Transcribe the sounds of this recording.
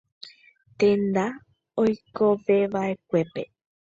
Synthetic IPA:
t̪ẽnd̪a | ojkoʋeʋaʔe̞kʷe̞pe

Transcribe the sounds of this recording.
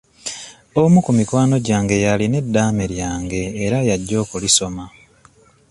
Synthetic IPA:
o̞mukumikwaːno̞ɟaːŋɡe̞jaline̞dːaːmeɾjaːŋɡe̞ːɾajaɟːo̞ːkuliso̞ma

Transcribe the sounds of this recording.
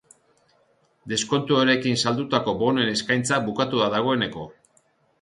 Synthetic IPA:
d̪e̞sko̞nt̪uoɾe̞kinsald̪ut̪ako̞bo̞ne̞ne̞skajnt͡sabukat̪uðaðaɣ̞o̞e̞ne̞ko̞

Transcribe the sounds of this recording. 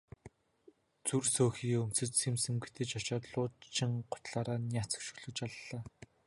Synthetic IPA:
t͡sursoːxiːɵm̥t͡sɘ̆t͡ɕsemsɘ̆mɡet̪ĕt͡ɕɔt͡ɕɔːt̪ɮʊːt͡ɕʰːɪ̆ŋɢʊ̥t̪ɮaːɾaːnʲjaːt͡sə̥̆kʃɵ̥ɮɵ̆t͡ɕaɮːaː

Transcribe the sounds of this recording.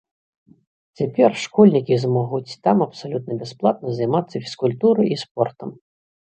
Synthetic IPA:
t͡sʲapʲɛrʂkɔlʲnʲikʲizmɔɣut͡sʲt̪amɐpsalʲut̪̚nɐbʲɛsplˠat̪̚nɐzɐjmat̪sːɐfʲi̥skulʲt̪uɾɨjispɔrt̪ɐm

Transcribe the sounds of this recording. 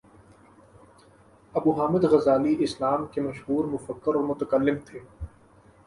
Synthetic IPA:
ɐbuːɦaːmɪd̪ɣɐzaːliʔɪsnaːmkemɐʃɦuːɾmʊfəkːɪɾɔːɾmʊt̪əkəlːɪmt̪ʰeː

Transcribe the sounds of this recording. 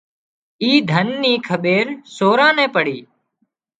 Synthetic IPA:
iːd̪ʱənːiːkʰəɓeːɾsoːɾãːnɛ̃ːpəɽ̤iː

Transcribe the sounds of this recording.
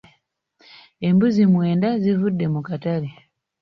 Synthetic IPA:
e̞mbuzimwe̞ːndazivudːe̞mukatali

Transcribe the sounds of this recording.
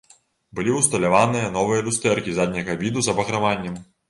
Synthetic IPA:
bɨlʲiwst̪ɐlʲaʋanɨjɐnɔvɨjɐlʲust̪ɛrkʲizad̪ʲnʲɐɣɐbʲid̪uzɐbɐɣɾɐʋanʲːɐm

